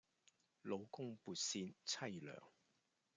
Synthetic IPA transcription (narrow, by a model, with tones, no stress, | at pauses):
lo˨˧wkʊ˥ŋpuː˨˧t̚siː˧nt͡sʰɐ˥jlœ̰ː˨˩ŋ